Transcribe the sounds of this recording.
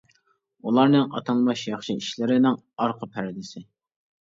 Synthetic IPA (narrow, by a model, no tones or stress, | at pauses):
ulˠɑɾnɨŋɑ̰t̪ʰɑlˠmɑʃjɑχʃiiʃlɪɾɪnɪŋ | ɑɾqʰəpʰæɾɪd̪ɪsɪ